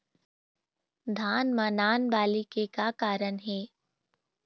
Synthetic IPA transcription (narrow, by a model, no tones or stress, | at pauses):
d̪ʱaːnmaːnaːnbaːlikekakaːɾənɦɛː